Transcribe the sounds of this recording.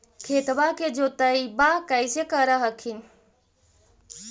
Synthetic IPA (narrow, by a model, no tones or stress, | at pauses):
kʰet̪baked͡ʒot̪əjbakəjsekəɾəɦəkʰin